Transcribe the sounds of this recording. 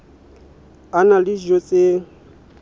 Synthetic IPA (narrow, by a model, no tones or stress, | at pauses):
analid͡ʒot͡sʼe